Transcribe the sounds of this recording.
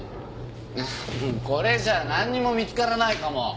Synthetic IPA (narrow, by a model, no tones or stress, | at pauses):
ɯko̞ɾe̞d͡ʑaːnãɲ̟ːimo̞mʲit͡sɨ̥kaɾanaikamo